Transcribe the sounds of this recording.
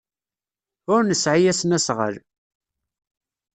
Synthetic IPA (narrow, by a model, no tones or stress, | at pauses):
ʊɾnəsʕijæsnæsʁə̰l